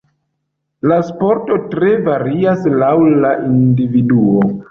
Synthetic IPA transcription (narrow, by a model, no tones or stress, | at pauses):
laspo̞ɾto̞tɾe̞vaɾiaslawlaʔindividuo